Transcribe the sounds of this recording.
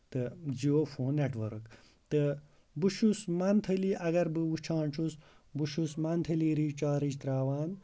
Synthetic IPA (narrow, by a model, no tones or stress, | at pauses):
t̪ɨd͡ʒioːfʰoːneʈʋɐɾk | t̪ɨ | buʃusmant̪ʰɐliːʔɐɡɐɾbɨut͡ʃʰaːɳt͡ʃʰus | buʃusmant̪ʰɐliːɾiːt͡ʃaːɾid͡ʒt̪ɾaːʋaːn